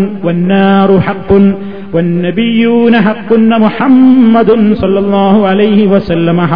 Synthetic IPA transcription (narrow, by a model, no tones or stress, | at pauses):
wɐnːaːɾʊħɑqːʊn | wɐnːɐbɪjːuːnaħaqːʊnmʊħamːɐd̪nsɐlːɑlˤːɑːɦʊʕalɐjhɪwɐsɐlːɐmɐħ